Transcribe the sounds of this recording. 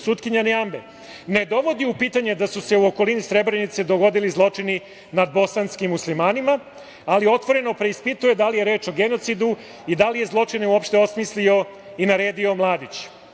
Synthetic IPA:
sut̪kiɲaneambe | ne̞d̪o̞ʋo̞d̪iupiːt̪aɲe̞d̪asuse̞uoko̞linisɾe̞bɾe̞nit̪se̞d̪o̞ɡo̞d̪ilizlˠo̞t͡ʂini | nad̪̚bo̞sanskimːuslimaːnima | alio̞t̪ʋo̞ɾe̞no̞pɾeispit̪uje̞d̪alije̞ɾe̞ːt͡ʃo̞ɡe̞not̪sid̪u | id̪alije̞zlˠo̞t͡ʂineuopʃt̪e̞o̞smislio̞ | inaɾe̞ːd̪io̞mlˠaːd̪it͡ɕ

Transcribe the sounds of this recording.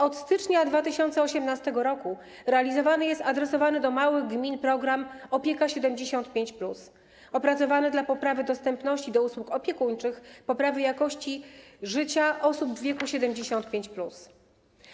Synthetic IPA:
ɔt̪st̪ɘt͡ʂɲad̪vat̪ɘɕɔnt̪sɛɔɕɛmnast̪ɛɡɔɾɔku | ɾɛalʲizɔvanɘjɛst̪ad̪ɾɛsɔvanɘd̪ɔmawɘɣɡmʲinpɾɔɡɾamɔpʲjekaɕɛd̪ɛmd͡ʑeɕɔnt̪pʲjeɲt͡ɕplus | ɔpɾat̪sɔvanɘd̪lapɔpɾavɘd̪ɔst̪ɛmpnɔɕt͡ɕid̪ɔuswukɔpʲjɛkuɲt͡ʂɘxpɔpɾavɘjakɔɕt͡ɕiʐɘt͡ɕaʔɔsubvʲjɛkuɕɛd̪ɛmd͡ʑeɕɔnt̪pʲjeɲt͡ɕplus

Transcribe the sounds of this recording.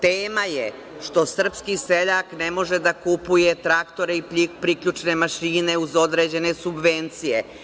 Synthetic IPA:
t̪eːmaje | ʃt̪o̞sr̩pskiseʎaknemo̞ʒed̪akupuje̞t̪ɾakt̪o̞ɾeipʎikpɾikʎʲut͡ʃne̞maʃiːne̞uzo̞d̪ɾe̞ːd͡ʑe̞ne̞subʋe̞nt̪sije̞

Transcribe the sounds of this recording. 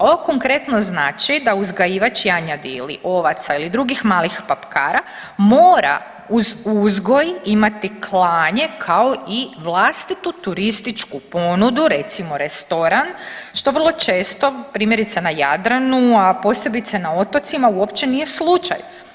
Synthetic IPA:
oʋoko̞ŋkɾe̞t̪no̞znaːt͡ʃid̪auzɡajiːʋat͡ʃjaɲad̪iḭlḭʔo̞ʋat̪sailid̪ɾuɡixmaːlixpapkaːɾa | mo̞ːɾa̰ | uzuzɡo̞jimat̪ikʰlˠaːɲe̞kʰao̞iʋlˠast̪it̪ut̪uɾist̪it͡ʃkupo̞nud̪uɾe̞t̪simo̞ɾest̪o̞ɾanʃt̪o̞ʋər̩lˠo̞t͡ʃe̞ːst̪o̞pɾiːmjeɾit̪senajad̪ɾanuapo̞se̞bit̪senao̞t̪ot̪simauopt͡ʃenijeslˠut͡ʃa̰j

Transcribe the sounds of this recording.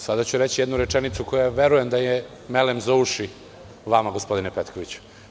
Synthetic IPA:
sad̪at͡ɕuɾet͡ɕijed̪nuɾet͡ʃenit̪suko̞jaʋe̞ɾuje̞md̪aje | melemzouʃi | ʋamaɡospo̞d̪inepet̪ko̞ʋit͡ɕu̥

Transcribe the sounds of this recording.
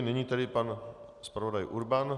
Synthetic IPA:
nɛɲiːt̪adɪpan | spɾavodajʔuɾban

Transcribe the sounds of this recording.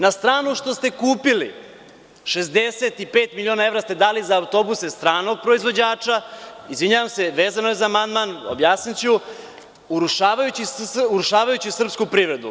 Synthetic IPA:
nast̪ɾaːnuʃt̪o̞st̪e̞kuːpilḭ | ʃe̞zd̪eset̪ipeːt̪milio̞ːnae̞vɾast̪e̞d̪aːlizaːwt̪o̞busest̪ɾaːno̞ɡ̚pɾo̞izʋo̞d͡ʑaːt͡ʃaizʋiɲaʋamse̞ʋeːzanojezaːmand̪maːno̰bjaːsnit͡ɕu | uɾuʃaːʋajut͡ɕisuɾuʃaːʋajut͡ɕisr̩pskupɾiʋɾe̞d̪ṵ

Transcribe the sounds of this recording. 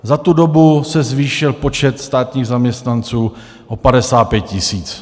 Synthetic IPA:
zat̪udo̞busɛzviːʃɪlpo̞t͡ʃɛt̪st̪aːt̪ɲiːɣzamɲɛst̪nant͡suː | ʔopadɛsaːt̪̚pjɛt̪̚cɪsiːt͡s

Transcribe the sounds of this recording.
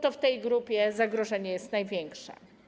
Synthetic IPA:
t̪ɔft̪ɛjɡɾupʲjɛzaɡɾɔʐɛɲɛjɛst̪najvʲjɛŋkʂɛ̰

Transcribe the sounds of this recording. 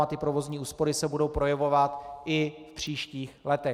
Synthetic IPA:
at̪ɪpɾo̞vo̞zɲiːʔuːspo̞ɾɪsɛbudo̞wpɾo̞jɛvo̞vat̪ʔɪfpr̝̥iːʃciːxlɛt̪ɛ

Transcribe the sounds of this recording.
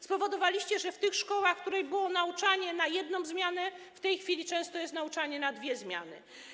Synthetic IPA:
spɔvɔd̪ɔvalʲiɕt͡ɕɛʐɛft̪ɘxʂkɔwaxkt̪uɾɛjbɘwɔnaut͡ʂaɲɛnajɛd̪nɔ̃w̃zmʲjanɛft̪ɛjxfʲilʲit͡ʂɛ̃st̪ɔjɛst̪naut͡ʂaɲɛnad̪vʲjɛzmʲja̰nɘ̰

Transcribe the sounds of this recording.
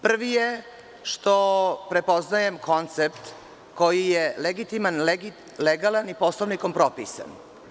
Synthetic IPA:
pr̩ʋije | ʃt̪opɾepoznajemkʰo̞nt̪sep̚t̪ | ko̞jijeleɡit̪imanleɡi | leɡalaniposloʋnikompɾopisa̰n

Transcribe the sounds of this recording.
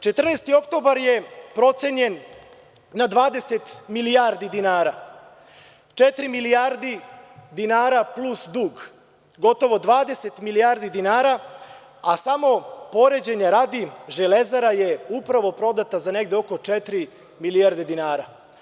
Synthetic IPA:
t͡ʃet̪r̩neːst̪io̞kt̪o̞baɾje̞pɾo̞t̪se̞ɲe̞nː | ad̪ʋaːd̪e̞se̞t̪milijaɾd̪id̪inaːɾa | t͡ʃet̪ɾimilijaɾd̪id̪inaːɾaplˠusd̪uːɡ | ɡo̞t̪o̞ʋo̞d̪ʋaːd̪e̞set̪milijaːɾd̪id̪inaːɾa | asamo̞po̞ɾe̞d͡ʑe̞ɲaɾad̪iʒelezaɾaje̞upɾaʋo̞pɾo̞d̪at̪azane̞ɡ̚d̪eo̞ko̞t͡ʃet̪ɾi | miliaɾd̪ed̪inaːɾa

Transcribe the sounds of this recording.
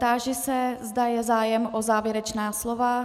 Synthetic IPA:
t̪aːʒɪsɛzdajɛzaːjɛmʔozaːvjɛɾɛt͡ʃnaːslova

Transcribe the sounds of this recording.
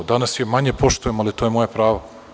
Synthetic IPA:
d̪anasjemaɲepo̞ʃt̪ujemalit̪oːjemo̞japɾaːʋa

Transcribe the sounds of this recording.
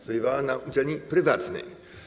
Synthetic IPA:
p̪ɔjɛvawanaʔud͡ʑɛlɲipɾɘvat̪nɛ̰j

